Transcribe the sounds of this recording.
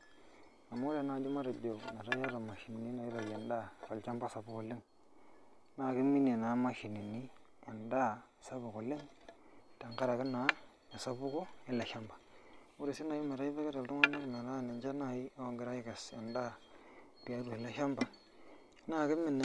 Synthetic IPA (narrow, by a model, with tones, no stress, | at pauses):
na˨ma˦ɾe˨˦na˨d͡ʒu˦ma˦ɾa˨do˨na˨ɾa˦ja˦ɾa˨ma˨ʃi˨ni˨ni˦na˨i˦ɾa˨ja˨nda˦˨ka˨lt͡ʃa˦mba˦sa˨bu˦ko˨lɪ˦ŋ˦ | na˦˨kɪ˦mːi˦n˨e˨na˨˦ma˦ʃi˨ni˨ni˦ | a˨nda˦˨ | sa˦bu˨ko˨lɪ˦ŋ | ta˨ŋka˦ɾa˨kɪ˦nːa˨˦ | a˨sa˦bu˦ko˦ɪ˦la˨ʃa˦mbḁ˨ | u˦ɾi˨si˦na˨ji˦me˨ɾa˦ji˦be˦ke˦ɾa˨ltu˦ŋ˦a˦ma˦ɾna˨ɾa˦˨ni˨nd͡ʒa˦na˨ji˦o˨ɡɪ˨ɾa˦i˦ke˨sa̰˨nda˦ | ti˨ja˨˦ɾu˨i˨la˦ʃa˦mba˨˦ | na˦˨kɪ˦mːi˨n˨